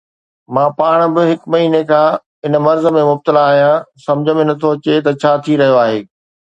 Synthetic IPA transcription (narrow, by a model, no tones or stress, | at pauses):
mãːpaːɽ̃̆bɪɦɪkmɐɦiːnekʰãː | ɪn̆mɐɾzə̆mẽmʊb̚t̪ɪlaːɦijãsɐ̃md͡ʑʱə̃mɪnət̪ʰot͡ɕet̪ɐt͡ɕʰaːt̪ʰiɾɐɦijoaːɦeː